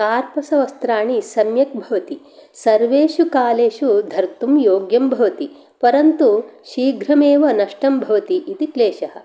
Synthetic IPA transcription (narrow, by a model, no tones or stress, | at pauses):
kaːɾpɐsɐʋɐst̪ɾaːɳisɐmjɐk̚bʱɐʋɐt̪i | sɐɾʋeːʃukaːleːʃud̪ʱɐɾt̪umjoːɡjɐmbʱɐʋɐt̪i | pɐɾɐnt̪uʃiːɡʱɾɐmeːʋɐnɐʂʈɐmbʱɐʋɐt̪iʔit̪ikleːʃɐɦɐ̆